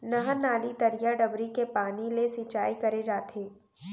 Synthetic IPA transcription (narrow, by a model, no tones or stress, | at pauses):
nɐɦanaːlit̪ɐɾijaɖɐbɾikepaːnilesit͡ʃaːikɐɾed͡ʒaːt̪ʰeː